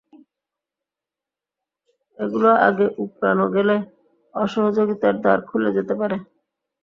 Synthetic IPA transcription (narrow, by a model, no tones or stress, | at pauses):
eɡuloʔa̰ɡeʔupɾa̰noɡele | ɔʃɔɦod͡ʑoɡit̪aɾd̪a̰ɾkʰuled͡ʑet̪epaɾe